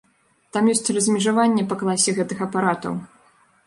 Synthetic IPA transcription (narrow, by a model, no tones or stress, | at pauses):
t̪amjɔsʲt͡sʲrɐzʲmʲɛʐavanʲːɛpɐklˠasʲːɛɣɛt̪ɨxɐpaɾat̪ɐ̰w